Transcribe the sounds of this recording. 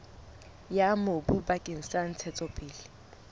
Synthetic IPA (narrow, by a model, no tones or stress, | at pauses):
jamobubakʼeŋ̩san̩t͡sʰɛt͡sʼɔpʼɪːlɪ